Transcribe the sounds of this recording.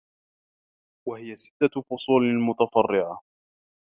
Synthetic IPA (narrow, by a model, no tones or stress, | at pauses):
wahɪjasɪ̥t̪ːafʊsˤuːlɪlmʊt̪afɑrːɪʕa